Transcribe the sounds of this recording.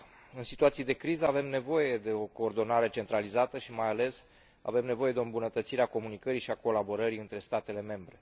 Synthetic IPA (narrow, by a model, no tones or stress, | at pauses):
ɨnsit̪uat̪sijed̪e̞kɾizəave̞mne̞vo̞je̞d̪e̞o̞ko̞ːrd̪o̞naɾe̞t͡ʃe̞nt̪ɾalizat̪əʃimajale̞s | a̰ve̞mne̞vo̞je̞d̪eoɨmbunət̪ət̪siɾeako̞munikəɾiʃiako̞labo̞ɾəɾiɨnt̪ɾe̞st̪at̪e̞le̞me̞mbɾe̞